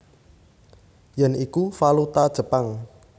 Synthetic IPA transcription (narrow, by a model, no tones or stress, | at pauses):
jɛnikufalut̪ad̥ʒ̥ə̤paŋ